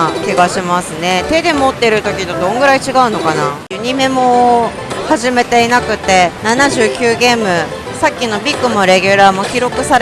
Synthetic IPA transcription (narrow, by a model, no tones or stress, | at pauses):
kʲiɡaɕimasɨne̞t̪e̞d̪e̞mot̪ːe̞ɾɯ̟t̪o̞kʲit̪od̪õ̞ŋɡɯ̟ɾait͡ɕiɡaɯ̟no̞kanajɯ̟ɲ̟ime̞mo̞ | haʑime̞t̪e̞inakɯ̟t̪ːe̞nanaʑɨːkʲɨːɡe̞ːmɯ̟ | sakʲːino̞bʲikːɯ̟mo̞ɾe̞ɡʲɯɾaːmo̞kʲiɾo̞kɯ̟saɾ